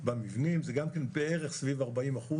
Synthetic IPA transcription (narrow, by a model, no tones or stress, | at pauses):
bamivnimzeɡamkenbeeʁeχsvivaʁbaimaχu